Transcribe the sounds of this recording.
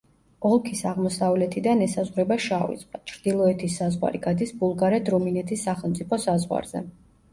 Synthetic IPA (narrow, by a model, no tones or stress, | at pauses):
ɔlˠkʰisaʁmɔsavlɛt̪ʰid̪anɛsazʁwɾɛbaʃavḭsʼqʼat͡ʃʰɾd̪ilˠɔɛt̪ʰisːazʁwa̰ɾiɡad̪isbulˠɡaɾɛt̪ʰɾuminɛt̪ʰisːaχɛlˠmt̪sʼipʰɔsazʁwa̰ɾz̥ɛ̰